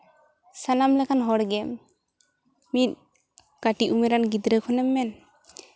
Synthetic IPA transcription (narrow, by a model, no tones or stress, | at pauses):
sanamlɛkʰanɦɔɽɡɛm | it̪̚ | kaʈiʔumɛɾanɡid̪ɾɛkʰɔnɛmːɛn